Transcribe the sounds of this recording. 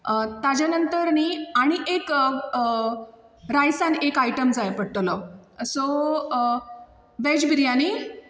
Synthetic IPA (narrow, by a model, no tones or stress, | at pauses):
t̪ad͡ʑjanənt̪əɾniːaɽ̃iʔek | ɾajsanekajʈəmd͡zajpəɽʈ̪ləso | ʋɛd͡ʑbiɾjani